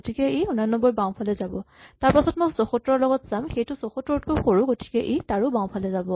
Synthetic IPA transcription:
otikɛejxunanɔbɔɹbaw̃pʰalɛzabɔ | taɹpasɔtmɔjsɔxɔtɹɔɹlɔɡɔtz̥amxejtʊsɔxɔtɹɔt̚kojxoɹũɡoti̥kɛʔetaɹʊbãw̃pʰalɛzabɔ

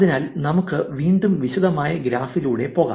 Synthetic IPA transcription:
ðinaːlnɐmukːɨʋiːɳɖumʋiɕuðɐmaːjɐɡɾaːfiluːɽe̞po̞ːɣa̰

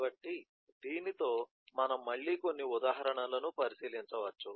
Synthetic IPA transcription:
bɐʈːi | d̪iːnit̪o̞ː | mɐnɐmːɐɭːiːko̞nːiud̪aːɦɐɾɐɳɐlɐnupɐɾisiːlint͡ʃɐʋɐt͡ʃːu

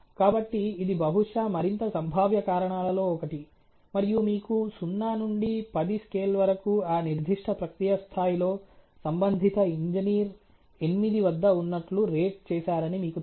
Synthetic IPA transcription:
kaːbɐʈːiːd̪ibɐɦuʂaːmɐɾint̪ɐsɐmbʱaːʋjɐkaːɾɐɳaːlɐlo̞ːɔkɐʈi | mɐɾijumiːkusunːaːnuɳɖipɐd̪iskeːlʋɐɾɐkuaːniɾd̪ʱiʂʈʰɐpɾɐkɾijɐst̪ʰaːjilo̞ːsɐmbɐnd̪ʱit̪ɐiɲd͡ʒiniːɾ | enimid̪iʋɐd̪ːɐunːɐʈluɾeːʈ̚t͡ʃɛːʃaːɾɐnimiːku

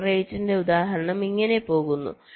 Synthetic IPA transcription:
rejtːinde̞ud̪aːɦɐɾɐɳɐmiŋːɐne̞po̞ːɣunːṵ

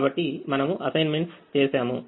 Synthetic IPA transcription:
bɐʈːimɐnɐmuʔɐsɐjnmeɳʈst͡ʃeːsaːmu

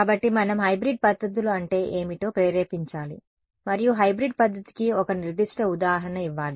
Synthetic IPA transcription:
kaːbɐʈːimɐnɐmɦɐjbɾiɖ̚pɐd̪ʱːɐt̪̬iluɐɳʈe̞ːʔeːmiʈo̞ːpeːɾeːpiɲt͡ʃaːlḭ | mɐɾijuɦɐjbɾiɖ̚pɐd̪ʱːɐt̪i̥kiɔkɐniɾd̪iʂʈɐud̪aːɦɐɳɐiʋːaːli

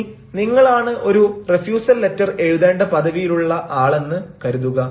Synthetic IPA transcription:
niŋːɐɭaːɳɨʔo̞ɾurefjuːsɐlːe̞tːɐre̞ɻuðe̞ːɳɖɐpɐðɐʋijiluɭːɐʔaːɭe̞nːɨkɐɾuðuɣɐ

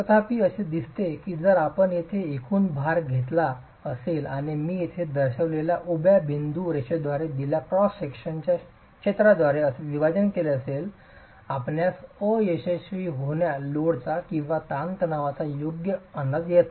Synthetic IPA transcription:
kət̪ʰapiːəɕed̪ist̪ekiːd͡zəɾapəɳjet̪ʰeekʰuːnbʱaɾɡʱet̪la | əselanimiːjet̪ʰed̪əɾɕəʋleljaʔubjabʱind̪uɾeɕəd̪ʋaɾed̪iljapɾɔsekɕənt͡ɕa | kɕet̪ɾad̪ʋaɾeəseʋibad͡ʑənkeleəsel | apɳjasəjeɕeɕʋiːɦoɳjaloɽt̪akĩw̃ʋat̪ãnt̪naʋat͡sajoɡjəənːəd͡zjet̪

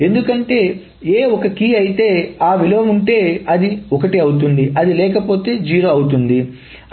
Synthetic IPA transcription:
e̞nd̪ukɐɳʈe̞ː | eːɔkɐkiːɐjit̪e̞ːaːʋilɐʋɐmuɳʈe̞ːɐd̪iɔkɐʈiɐwut̪und̪iʔɐd̪ilɛːkɐpo̞ːt̪e̞ːd͡ʒiːɾoːɐwut̪̬und̪i

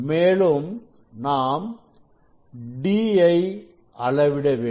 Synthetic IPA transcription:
meːlɯm | naːm | ɖiɐɪ | ʔɐɭɐʋɪɽɐʋeː

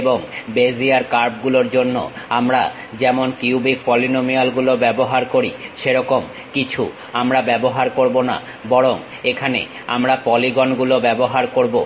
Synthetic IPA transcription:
boŋbeziaɾkaɾb̚ɡuloɾd͡ʑonːo̰amɾa̰ | d͡ʑɛmonkiubik̚pɔlinomialɡulobɛboɦaɾkoɾiʃeɾɔkom | kit͡ɕʰu | amɾabɛboɦaɾkoɾbona̰ | bɔɽoŋ | ekʰanḛ | a̰mɾapɔliɡonɡulobɛboɦaɾkoɾbo

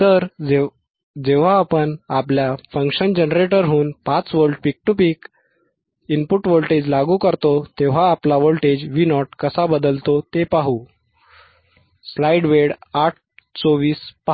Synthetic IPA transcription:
t̪əɾ | d͡ʑeʋ̤aːpənapljafə̃ŋkɕənd͡ʑenɾeʈəɾɦuːnpat͡sʋəlʈpik̚ʈupiːk | inpuʈʋolʈed͡ʑlaɡukəɾt̪ot̪eʋ̤aːplaʋolʈed͡ʑʋinɔʈ̚kəsabəd̪əlt̪ot̪epaɦu | slajɖʋeɽaʈ̚ʰt͡soʋiːspa

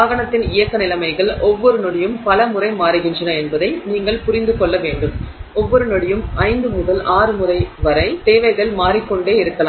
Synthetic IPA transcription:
aːɣɐɳɐt̪ːɪnɪjɐkːɐnɪlɐmɐɪɣɐɭɔʋːɔɾɯnɔɽɪjɯmpɐlɐmʊrɐɪmaːɾɯɣɪndrɐnɐɛnbɐðɐɪniːŋɡɐɭpʊɾɪnd̪ɯkɔɭːɐʋeːɳɖɯmɔʋːɔɾɯnɔɽɪjɯmɐɪnd̪ɯmʊðɐlʔaːɾɯmɯrɐɪʋɐɾɐɪt̪eːʋɐɪɣɐɭmaːɾɪkːɔɳɖeːɪɾɯkːɐlaːm

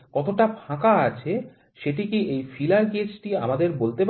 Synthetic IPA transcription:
kɔt̪oʈabʰʱãkaat͡ɕʰe | ʃeʈikiʔejfilaɾɡed͡ʑʈia̰mad̪eɾbolt̪ep

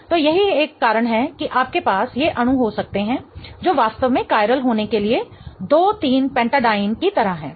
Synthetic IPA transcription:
t̪oːjɐɦieːkːaːɾəɽ̃ɦɛkiʔaːp̚kepaːsjeʔɐɽ̃ũɦosɐk̚t̪eɦɛ̃d͡ʒoːʋaːst̪əʋmẽkaːɪɾəlɦoːnekelied̪oːt̪iːnpɛ̃ːɳʈaːɖaːɪnkit̪ɐɾaɦɦɛ̰̃ː

